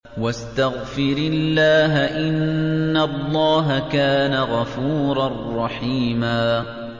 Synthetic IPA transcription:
wast̪aɣfɪɾɪlːaːɦaʔɪnːalˤːɑːɦakaːnaɣɑfuːɾˤɑrˤːɑħiːmaː

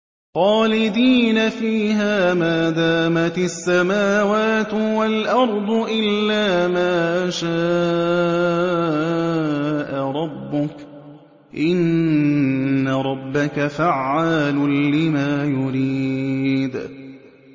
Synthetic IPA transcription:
xɑːlɪd̪iːnafiːɦaːmaːd̪aːmat̪asːamaːwaːt̪walʔɑɾˤd̪ˤʊʔɪlːaːmaːʔaʃaː | ʔaɾˤɑbːʊk | ʔɪn | aɾˤɑbːakafaʕːaːlʊlɪmaːjʊɾiːd̪

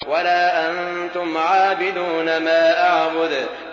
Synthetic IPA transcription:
walaːʔant̪ʊmʕaːbɪd̪uːnamaːʔaʕbʊd̪

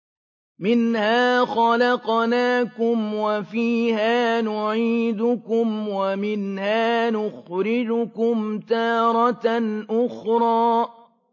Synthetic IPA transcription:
mɪnhaːxɑlɑqnaːkʊmwafiːhaːnʊʕiːd̪ʊkʊmwamɪnhaːnʊxɾɪd͡ʒʊkʊmt̪aɑːɾˤɑʔʊxɾˤɑː

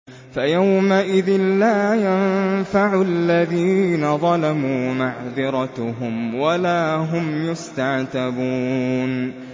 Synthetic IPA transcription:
fajawmaʔɪðɪnlaːjanfaʕʊlːaðiːnaðˤɑlamuːmaʕðɨɾˤɑt̪ɦʊmwalaːɦʊmjʊst̪aʕt̪abuːn

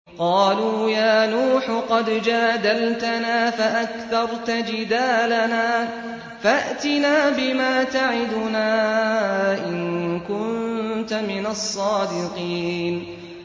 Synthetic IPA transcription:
qɑːluːjaːnuːħqɑd̪d͡ʒaːd̪alt̪anaːfaʔakθɑɾˤt̪ad͡ʒɪd̪aːlanaː | faʔt̪ɪnaːbɪmaːt̪aʕɪd̪ʊnaː | ʔɪnkʊnt̪amɪnasˤːɑːd̪ɪqiːn

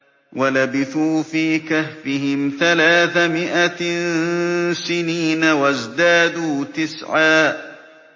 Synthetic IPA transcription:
walabɪθuːfiːkahfɪɦɪmθalaːθamɪʔan | sɪniːnawazd̪aːd̪uːt̪ɪsʕaː

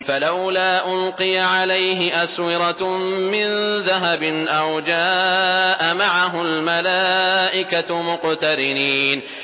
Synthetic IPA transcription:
falawlaːʔʊlqɨjaʕalajɦɪʔaswɪɾˤɑmɪnðaɦabɪnʔawd͡ʒaːʔamaʕaɦʊlmalaːʔɪkamʊqt̪aɾɪniːn

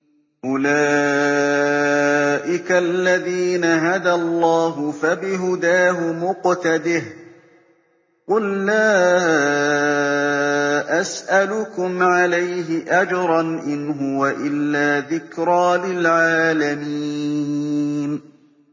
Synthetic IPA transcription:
ʔʊlaː | ʔɪkalːaðiːnaɦad̪alˤːɑːɦʊfabɪɦʊd̪aːɦʊmʊqt̪ad̪ɪh | qʊlːaː | ʔasʔalʊkʊmʕalajɦɪʔad͡ʒɑɾˤɑnʔɪnɦʊwaʔɪlːaːðɪkɾaːlɪlʕaːlamiː | n

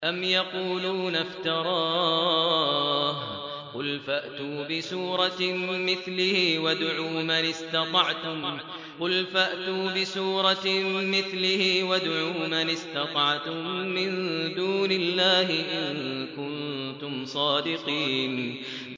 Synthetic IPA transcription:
ʔamjɑquːluːnaft̪ɑɾˤɑːɑː | h | qʊlfaʔt̪uːbɪsuːɾˤɑmɪθlɪhiːwad̪ʕuːmanɪst̪ɑt̪ˤɑʕt̪ʊm | qʊlfaʔt̪uːbɪsuːɾˤɑmɪθlɪhiːwad̪ʕuːmanɪst̪ɑt̪ˤɑʕt̪ʊmːɪnd̪uːnɪlːaːɦɪʔɪnkʊnt̪ʊmsˤɑːd̪ɪqiːn

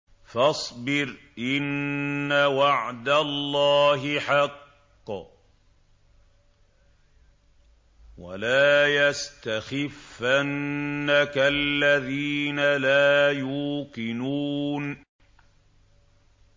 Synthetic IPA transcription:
fɑsˤbɪɾʔɪnːawaʕd̪alːɑːɦɪħɑqː | wa̰laːjast̪axɪfːanːakalːaðiːnalaːjuːqɪnuːn

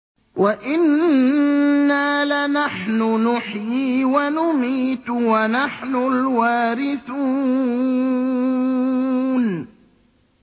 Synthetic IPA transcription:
wʔaʔɪn | aːlanaħnʊnʊħjiːwanʊmiːt̪wanaħnʊlwaːɾɪθuː | n

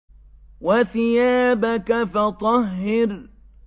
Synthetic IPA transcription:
waθɪjaːbakafɑt̪ˤɑɦːɪɾ

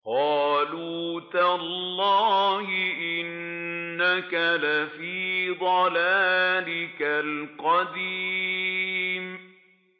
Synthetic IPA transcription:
qɑːluːt̪allˤːɑːhɪʔɪnː | akalafiːd̪ˤɑlaːlɪkalqɑd̪i | m

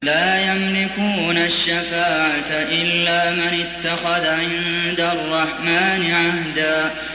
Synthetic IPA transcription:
laːjamlɪkuːnaʃːafaːʕat̪aʔɪlːaːmɪnɪt̪ːaxaðaʕɪnd̪arˤːɑħmaːnɪʕahd̪aː

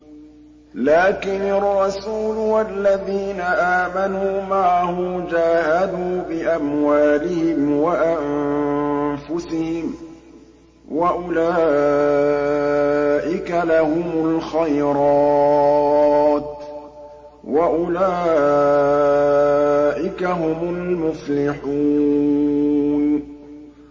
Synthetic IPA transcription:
laːkɪnarˤːɑsuːlwalːaðiːnaʔaːmanuːmaʕahʊːd͡ʒaːhad̪uːbɪʔamwaːlɪhɪmwaʔam | fʊsɪhɪm | wʔaʔʊlaː | ʔɪkalahʊmʊlxajɾɑ | t̪ | waʔʊlaː | ʔɪkaɦʊmʊlmʊflɪħuː | n

